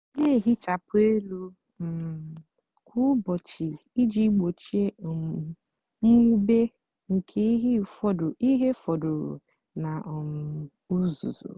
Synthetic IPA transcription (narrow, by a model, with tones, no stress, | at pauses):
ne˦˨ɦi˦t͡ʃa˨pʊ˦e˦lu˦ | m̩˨ | kʰʷu˦bɔ˨t͡ʃi˨i˦d͡ʒi˦ɡ͡bo˨t͡ʃi˦e˦˨ | m̩˦u˦be˦ | ŋ̩˨kʰe˦i˦ɦi˦fɔ˦di˦ɦe˦fɔ˨dʊ˨ɾʊ̰˨ | na˨m̩˨ | u˦zṵ˨zṵ˨